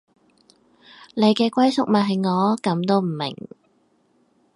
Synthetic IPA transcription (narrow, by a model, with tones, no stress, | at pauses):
ne˨˧jkɛː˧kʷwɐ˥jsʊ˨k̚mɐ˨˩ɦɐ˨jŋɔː˨˧˥kɐ˨˥mt̪o˥wm̩˨˩mɪ̰˨˩ŋ